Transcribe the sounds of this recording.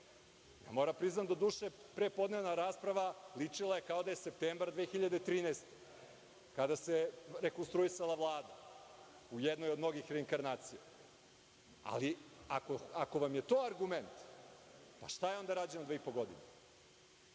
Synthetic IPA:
ja̰mo̞ɾampɾiznamd̪od̪uːʃe | pɾepo̞d̪ne̞ʋnaɾaːspɾaʋalit͡ʂilˠaje̞kao̞d̪ajese̞p̚t̪eːmbɾad̪ʋeːxiʎad̪et̪ɾiːnest̪e | kad̪aseɾekonst̪ɾuisalˠaʋlˠaːd̪a | ujed̪no̞jod̪no̞ɡixɾeiŋkaɾnaːt̪sije | a̰liakoako̞ʋamjet̪o̞ːaɾɡume̞nt̪ | pa̰ʃt̪ajeo̞nd̪aɾaːd͡ʑenod̪ʋeipoɡo̞d̪ḭne

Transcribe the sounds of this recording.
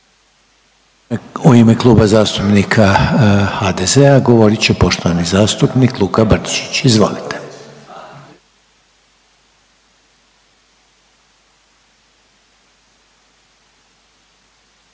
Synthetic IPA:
oimeklˠuːbazaːst̪upnikʰaxad̪ezeaɡo̞ʋo̞ɾit͡ɕepo̞ʃt̪oʋanizaːst̪upniːklˠuːkabrt̪i̥t͡ʃi̥t͡ɕizʋo̞̰lit̪e̥

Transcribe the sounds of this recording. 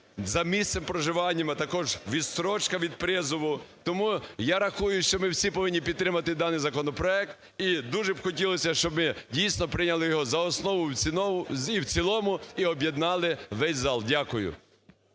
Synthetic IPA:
zɐmʲissempɾɔʒɪʋɑnʲːɐmɪt̪ɐkɔʒʋʲist̪ɾɔt͡ʃkɐʋʲid̪̚pɾɪzʊʋʊt̪ɔmujaɾɐxujʊʃt͡ʃɔmɪwsʲipɔʋɪnʲːip̬ʲid̪t̪ːɾɪmɐt̪ɪd̪ɑnɪjzɐkɔnɔpɾɔɛk̚t̪ | id̪uʒɛbxɔtʲilˠɔsʲɐʃt͡ʃɔbmɪdʲijsʲnɔpɾɪnʲɐlˠɪjɔɦɔzɐɔsnɔʋʊ | iwt͡sʲilˠɔmʊiɔbjed̪nɑlˠɪʋɛsʲzɑlˠdʲakʊjʊ̰

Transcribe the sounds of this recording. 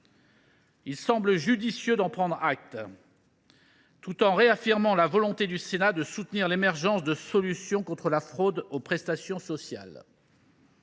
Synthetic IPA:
ilsɑ̃bləʒyd̪isjød̪ɑ̃pχɑ̃d̪ʁak̚t̪ | t̪ut̪ɑ̃ʁeafiʁmɑ̃lavɔlɔ̃t̪ed̪ysenad̪əsut̪niʁlemɛʁʒɑ̃sd̪əsɔlysjɔ̃kɔ̃t̪χəlafχod̪opχɛst̪asjɔ̃sɔsja̰l

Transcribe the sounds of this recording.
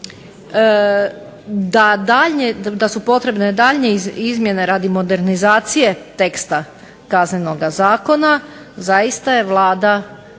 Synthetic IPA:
d̪ad̪aʎɲed̪asupo̞t̪ɾe̞bned̪aːʎɲeizmje̞ne̞ɾaːd̪imo̞d̪e̞ɾnizaːt̪sije̞t̪e̞kst̪a | kaznɲenoɡazaːko̞na | zajist̪aje̞ʋlˠaːd̪a

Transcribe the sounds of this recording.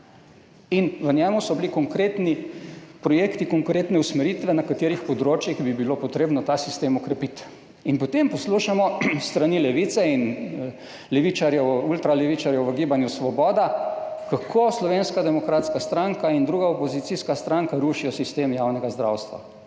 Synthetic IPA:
inʋənʲjɛmusɔblikɔŋkɾeːt̪nipɾɔjeːkt̪ikɔŋkɾeːt̪nɛusmɛɾit̪ʋɛnakat̪eːɾixpɔd̪ɾoːt͡ʃjiɣbibilopɔt̪ɾeːbnɔt̪aːsist̪eːmɔkɾɛpit̪ | inpɔt̪empɔsluːʃamɔst̪ɾanilɛʋiːt̪sɛin | lɛʋiːt͡ʃaɾjɛwult̪ɾalɛʋit͡ʃaɾjɛwʋəɡiːbanjusʋɔbɔːd̪akakʰoːslɔʋeːnskad̪ɛmɔkɾaːt̪skast̪ɾaŋkaind̪ɾuɡaopozit̪siskast̪ɾaŋkaɾuːʃijɔsist̪eːmjaːwnɛɡazd̪ɾa̰ːwst̪ʋa̰

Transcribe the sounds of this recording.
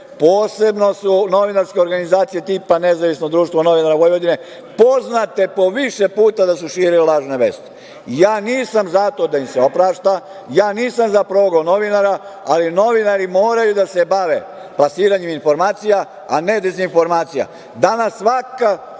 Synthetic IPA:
poːse̞bno̞suno̞ʋinaɾskʲe̞oɾɡanizaːt̪sije̞t̪iːpane̞zaʋisnod̪ɾuːʃt̪ʋono̞ʋinaɾaʋojʋo̞d̪ine̞ | po̞znat̪e̞po̞ʋiʃepuːt̪ad̪asuʃiːɾilelˠaːʒneʋḛːst̪e̥ | jaːniːsamzat̪o̞d̪aimseopɾaːʃt̪a | jaːniːsamzapɾoɡono̞ʋinaɾaalino̞ʋinaɾimo̞ːɾajud̪ase̞baʋe | plasiːɾaɲeminfo̞ɾmaːt̪sija | aned̪e̞zinfo̞ɾmaːt̪sija̰ | d̪anasːʋaka

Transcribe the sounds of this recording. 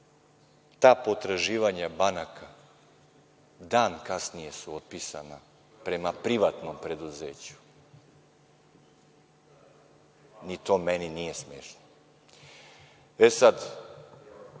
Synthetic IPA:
t̪aːpo̞t̪ɾaʒiːʋaɲabanakʰa | d̪aːnkasnije̞suot̪̚pisa̰na | pɾe̞mapɾiʋat̪no̞mpɾe̞d̪uzeːt͡ɕu̥ | nit̪o̞ːmeninije̞smjeːʃno | esad̪

